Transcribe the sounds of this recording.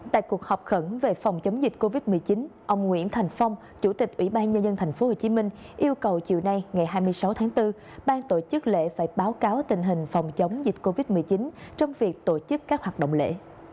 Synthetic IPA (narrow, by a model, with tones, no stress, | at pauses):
t̪a̰ː˧˨jku˨˩ək̚hɔ˨˩wk͡p̚xə˧˩nve˨˩fɔ˨˩wŋ͡mt͡ɕə˨˦wŋ͡mzi˨˩t̟̚ko˧vi˦˥t̚mɨ˨˩əjt͡ɕi˨˦nʔə˧wŋ͡mŋwḭ˧˥ənt̪ʰa˨˩jŋ̟fa˧wŋ͡m | t͡ɕu˧˩t̪ï˨˩k̟̚ʔwḭ˧˩ɓaː˧nɲə˧nzə˧nt̪ʰa˨˩jŋ̟fo˨˦ho˨˩t͡ɕi˨˦mï˧ŋ̟ | ʔi˧əwkə˨˩wt͡ɕḭ˨əwna˧jŋa˨˩jɦaː˧jmɨ˧əjsa˨˦wt̪ʰaː˨˦ŋt̪ɨ˧ | ɓaː˧ŋt̪o˧˩t͡ɕɨ˦˥k̚lḛ˧˥faː˧˩jɓaː˨˦wkaː˨˦wt̪ï˧˨˩ŋ̟ɦï˨˩ŋ̟fɔ˨˩wŋ͡mt͡ɕə˨˦wŋ͡mzi˨˩t̚ko˧vi˦˥t̚mɨ˨˩əjt͡ɕi˨˦nt͡ɕɔ˧wŋ͡mvi˨˩ək̚t̪o˧˩t͡ɕɨ˦˥kːaː˦˥k̚hwaː˨˩ɗə̰˧˨ŋ͡mlḛ˧˥˨